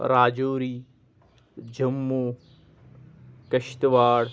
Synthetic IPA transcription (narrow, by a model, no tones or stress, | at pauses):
ɾaːd͡ʑoːɾiː | d͡ʑɐmːoː | kɐʃt̪ʋaːɽ